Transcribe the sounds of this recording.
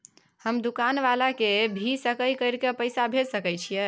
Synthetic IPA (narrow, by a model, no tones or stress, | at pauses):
həmd̪ukanʋalakebʱisəkəjkəɾkepəɪsabʱelsəkəjt͡ʃʰijə